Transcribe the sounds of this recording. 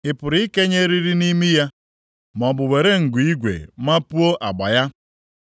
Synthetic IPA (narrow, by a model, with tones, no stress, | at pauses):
ɪ˨pʊ˨ɾi˦i˦ke˦ɲe˦ɾi˦ɾi˦ni˦mi˦ja˦ | m˨ɔ˨bʊ˨we˨ɾe˦ŋ̩˨ɡʷi˦ɡʷḛ˨ma˦pu˦o˦ʔa˨ɡ͡ba˨ja˦